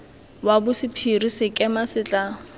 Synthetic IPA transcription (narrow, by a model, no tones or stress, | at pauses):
wabʊsɪpʰirisɪkʼɛmasɪt͡ɬʼa